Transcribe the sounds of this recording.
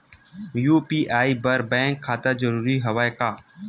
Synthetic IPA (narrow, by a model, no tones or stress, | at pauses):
juːpiːʔaːiːbəɾbɛ̃ːŋkʰːaːt̪ad͡ʒəɾuːɾiɦəʋaːjkaː